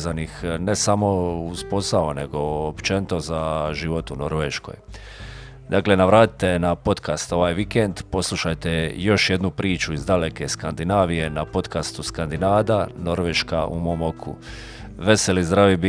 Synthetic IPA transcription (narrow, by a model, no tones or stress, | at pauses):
zanixne̞samo̞uzpo̞sao̞ne̞ɡo̞ːpt͡ʃenit̪o̞zaʒiʋo̞t̪uno̞ɾʋeʃko̞̰j | d̪akle̞naʋɾaːt̪i̥t̪e̞napo̞t̪kast̪o̞ʋaːjʋikend̪po̞slˠuʃajt̪e̞jo̞ʃje̞d̪nupɾiːt͡ʃuizd̪aleke̞skand̪inaːʋije̞napo̞t̪kast̪uskand̪inaːd̪ano̞ɾʋeʃka̰ʔṵmo̞ːmo̞kʰṵ | ʋe̞se̞lizd̪ɾaʋibi